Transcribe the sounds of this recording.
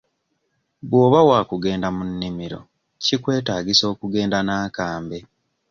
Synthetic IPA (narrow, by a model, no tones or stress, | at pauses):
bwoːβawaːkuɡe̞ːndamunːimiɾo̞̰ | cikwe̞ːtaːɡiso̞ːkuɡe̞ːndanaːkaːmbe̞